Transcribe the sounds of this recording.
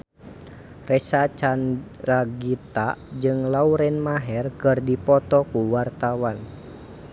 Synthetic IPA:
rɛsat͡ʃanraɡit̪ad͡ʒɨŋlauɾɛnmaɦɛrkɨrdipɔt̪ɔkuwart̪awan

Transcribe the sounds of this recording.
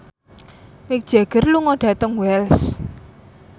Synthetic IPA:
mɪk̚d̥ʒ̥a̤ɡ̥ə̤rluŋɔɖ̥a̤t̪əŋwɛls

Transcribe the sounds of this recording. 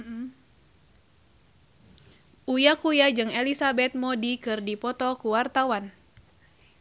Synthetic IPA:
ʔujakujad͡ʒɨŋelisabɛt̪̚mɔdikɨrdipɔt̪ɔkuwart̪awan

